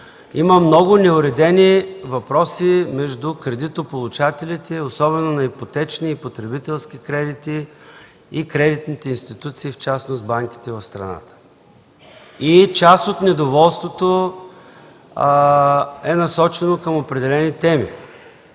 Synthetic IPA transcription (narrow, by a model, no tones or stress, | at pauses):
iməmnɔɡʊnɛʊɾɛd̪ɛnivɐpɾɔsimɛʒd̪ʊkɾɛd̪it̪opolˠut͡ʃat̪ɛlit̪ɛosɔbɛnonɐipot̪ɛt͡ʃniːpot̪ɾɛbit̪ɛlˠsk̟ikɾɛd̪it̪i | ikɾɛd̪it̪nit̪ɛinst̪it̪ut̪siːft͡ʃasnosbaŋk̟i̥t̪ɛvɐfst̪ɾɐ̰na̰t̪ə̥ | it͡ʃast̪ot̪nɛd̪ovɔlˠst̪vot̪o | ɛnɐsɔt͡ʃɛnokəmopɾɛd̪ɛlɛnit̪ɛmḭ